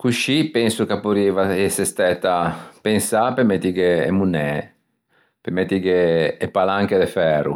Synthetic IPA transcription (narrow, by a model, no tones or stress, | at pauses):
kuʃipɛnsukapːuɾiːvaesest̪ɛt̪ːapensapemɛt̪ːikḛːmunɛ | pemɛt̪ːikeːpalaŋked̪efɛːɾṵ